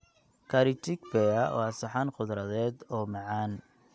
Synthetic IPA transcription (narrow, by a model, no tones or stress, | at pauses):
kʰɐɾɪt͡ʃɪkfɛɐwɑsɐħɑnχʊðɾɐðɛːd̪ɔːmɑʕɑːn